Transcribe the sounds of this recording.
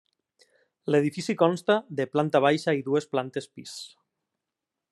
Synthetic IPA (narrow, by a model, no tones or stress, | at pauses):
leð̞ifisikɔnst̪aðeplant̪aβ̞ajʃaiðuesplant̪espis